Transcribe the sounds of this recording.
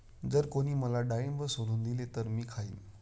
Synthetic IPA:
d͡zəɾkoɽ̃iːməlaɖajembəsoɽuːnd̪ilet̪əɾmiːkʰaḭːm

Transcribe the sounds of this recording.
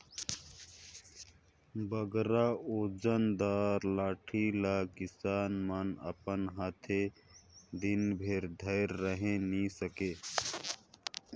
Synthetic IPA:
bəɡɾaod͡ʒənd̪aːɾlaːʈʰilakisaːnmənə̰pənɦaːt̪ʰe | d̪inbʱeɾd̪ʱəɪɾːəɦẽnisəke

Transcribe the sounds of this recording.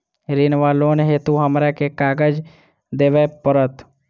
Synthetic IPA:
ɾinʋaːloːnɦeːt̪uɦəmɾakekaːɡəd͡ʒ | d̪eːʋepəɾət̪

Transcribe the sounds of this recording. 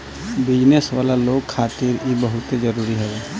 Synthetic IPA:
bɪd͡ʒnesʋaːlaloːɡkʰaːt̪iɾebəɦʊt̪ed͡ʒəɾuːɾiɦɛe

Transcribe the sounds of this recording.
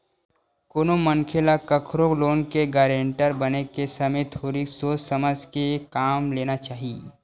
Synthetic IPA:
koːnomɐŋkʰelakɐkʰɾokloːnkeɡaːɾẽːɳʈəɾbɐnekesɐmet̪ʰoːɾisoːsəməd͡ʒkekaːmleːnat͡ʃaːɦie

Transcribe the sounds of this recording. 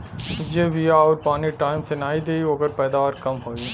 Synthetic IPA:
d͡ʒeʋijaɔːɾpaːniʈaːɪmsenaːid̪eːiɦoːɡəɾpɛːd̪aːʋaɾkɐmɦoːi

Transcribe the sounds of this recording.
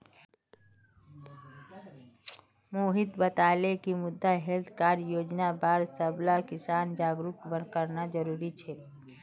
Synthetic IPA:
moːɦɪt̪bət̪aːlekimʊd̪ʱːaɦɛlt̪ʰkaːɾjoːd͡ʒnabaːɾsəblakɪsaːnd͡ʒaːɡɾʊkbənkəɾnad͡ʒəɾuːɾit͡ʃʰɛː

